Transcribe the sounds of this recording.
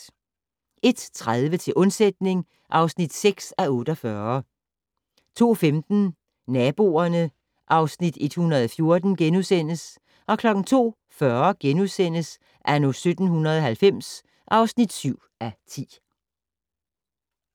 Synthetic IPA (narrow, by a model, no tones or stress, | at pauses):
ʔe̝d̥t͡sʰʁað̞ˠʋət͡sʰe̝lʔɔ̽nsed̥̚ne̝ŋ | ʔɑ̈ʊsnid̥seɡ̥sæɔ̽ːd̥ɒfɶːɐ | t͡sʰo̝̰ːfemd̥n̩ | næːb̥o̝̰ːɐnə | ʔɑ̈ʊsnid̥e̝d̥hunɐðˠɒfjo̝ɐd̥n̩ɡ̥enuðˠsen̰əs | ʔɒ̽kʰlɒ̽ɡ̥n̩t͡sʰo̝̰ː | fɶɐɡ̥enuðˠsen̰əs | ʔæɐnosød̥n̩hunɐðˠɒ̽hɦælfem̰s | ʔɑ̈ʊsnid̥syʊ̰ | æt͡sʰḭː